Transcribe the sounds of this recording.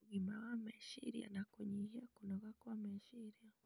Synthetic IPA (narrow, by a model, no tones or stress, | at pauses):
ɡimawameʃḭɾija̰nakuɲihekunoɣakwameʃiɾija